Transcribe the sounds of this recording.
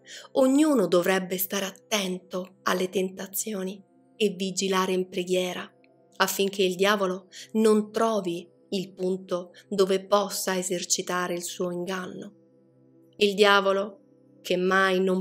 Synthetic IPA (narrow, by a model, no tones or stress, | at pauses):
oɲːuːnod̪ovɾɛbːest̪aːɾeat̪ːɛnt̪oa̰lːet̪ent̪at̪sːjoːni | evːid͡ʒilaːɾeimpɾeɡjɛːɾa | afːiŋk̟eild̪jaːvolonont̪ɾɔːvi | ilpunt̪od̪oːvepɔsːaezert͡ʃit̪aːɾeilsuːoiŋɡanːo | ild̪jaːvolo | kʰemːajnom